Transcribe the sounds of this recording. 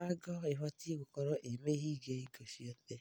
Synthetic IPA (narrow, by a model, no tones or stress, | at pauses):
aɡɔeɦʷatiɡʊkɔɾɔʔemeɦiɡeiɡosiote